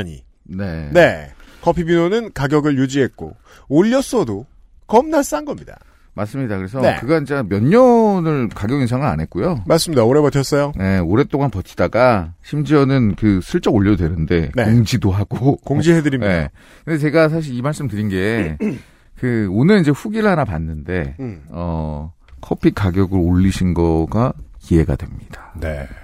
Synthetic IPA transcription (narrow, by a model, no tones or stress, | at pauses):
ɲḭ | ne̞ne̞kʌpʰibinonɯnkaɡjʌɡɯɭjud͡ʑiɦet̚k͈o̰ | oʎːʌs͈ʌdo | kʌmnas͈anɡʌmɲida̰ | maɭs͈ɯmɲidakɯɾe̞sʰʌḛkɯɡait͡ɕ͈amjʌɲːʌnɯɭkaɡjʌɡinsʰaŋɯɾa̰nɦe̞t̚k͈ujomaɭs͈ɯmɲidaoɾe̞bʌt͡ɕʰʌs͈ʌjone̞oɾe̞t͈oŋanpʌt͡ɕʰi̥d̥aɡaɕʰimd͡ʑiʌnɯnkɯsʰɯɭt͡ɕ͈ʌɡoʎːʌdwe̞nɯnde̞noŋd͡ʑidoɦaɡ̥okoŋd͡ʑiɦedɯɾimje | kɯndet͡ɕe̞ɡas̬ʰaɕ̬ʰiɾimaɭs͈ɯmtɯɾinɡe̞ | kɯonɯɾind͡ʑe̞ɸuɡiɾɭɦanapa̰nːɯnde̞ʌ | kʰʌpʰikaɡjʌɡɯɾoʎːiɕʰinɡʌɡaie̞ɡa̰dwe̞mɲid̥ḁnḛ